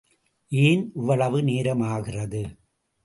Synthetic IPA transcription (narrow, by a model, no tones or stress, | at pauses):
ʔiːnɪʋːɐɭɐʋɯneːɾɐmaːɣɪrɐðɯ